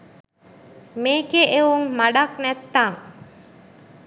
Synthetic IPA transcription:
meːkeʔeʋuŋmaɖɐk̚nɛt̪ːaŋ

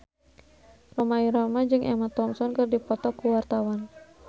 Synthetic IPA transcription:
rɔmaiɾɔmad͡ʒɨŋʔɛmat̪ɔmsɔnkɨrdipɔt̪ɔkuwart̪awan

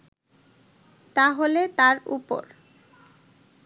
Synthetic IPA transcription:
t̪aɦolet̪aɾṵpo̰ɾ

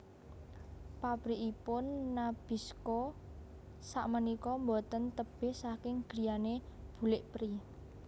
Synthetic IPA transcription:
papɾiʔipʊnːab̥i̤sko | saʔmənikɔmbot̪ənt̪əb̥e̤hsakɪŋɡ̥i̤janeb̥ṳlɪʔpɾi

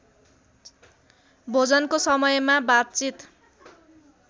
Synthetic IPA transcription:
bʱod͡zʌnkosʌmʌjmabat̚t͡sit̪

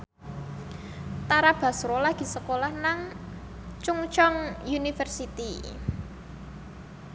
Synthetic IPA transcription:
t̪aɾab̥a̤sɾolaɡ̥i̤səkolahnaŋ | t͡ʃuŋt͡ʃɔŋjunifərsit̪i

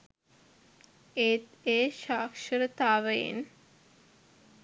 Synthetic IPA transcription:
et̪eːʃaːkʃəɾət̪aːʋəjḛn

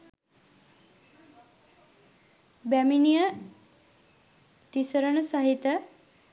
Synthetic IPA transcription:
bæminijə | t̪isəɾəɳəsaɦit̪ə

